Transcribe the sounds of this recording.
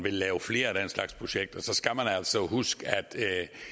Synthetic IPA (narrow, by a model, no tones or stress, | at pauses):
ʋe̝lːɛːʊfle̝̰ːɐæd̥enslɑ̈ɡ̥spʰʁoɕeɡ̥̚d̥ɒ̽sɒ̽sɡ̥æmænæl̰sɒ̽ɦusɡ̥æd̥